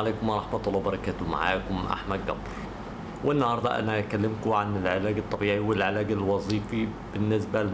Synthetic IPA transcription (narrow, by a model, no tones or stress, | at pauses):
leːkʊmʔɑɾˤɑħmat̪ʊlːwbɑɾˤɑkaːt̪ʊma̰ʕa̰ːkʊmʔa̰ħmad̪̚ɡɑ̰bɾˤ | wʔɪnːhɑːɾˤd̪ˤɑ̰ʔa̰nakalːɪmkʊʕanɪlʕɪlaːɡɨt̪ˤːɑbiːʕiwɪlʕɪlaːɡɪlwɑzˤiːfib̥ɪnːɪsba